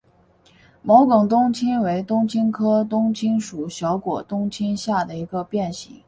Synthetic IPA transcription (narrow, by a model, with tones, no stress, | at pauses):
mo˧˥ʊkʊ˨˩ŋt̪̬ʊ˥ŋt͡ɕʰi˥nwe˧˥ɪt̪ʊ˥ŋt͡ɕʰi˥nkʰɤ˥t̪ʊ˥ŋt͡ɕʰi˥nʂu˨˩ɕjɑ˧˥ʊkwɔ˨˩t̪ʊ˥ŋt͡ɕʰi˥nɕja˥˩d̪ə˩i˧˥ɡə˧pjɛ˥˩nɕḭ˨˩˥ŋ